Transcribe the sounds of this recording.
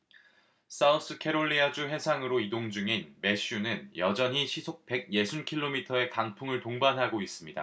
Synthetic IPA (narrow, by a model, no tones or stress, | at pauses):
s͈aus͈ʰɯkʰe̞ɾoɭːiad͡ʑuɦe̞sʰaŋɯɾoidoŋd͡ʑuŋinme̞ɕ͈ʰunɯnjʌd͡ʑʌɲɦiɕʰisʰok̚pe̞ɡ̚je̞sʰunkʰiɭːomitʰʌe̞kaŋpʰuŋɯɭtoŋbanɦaɡois͈ɯmɲida̰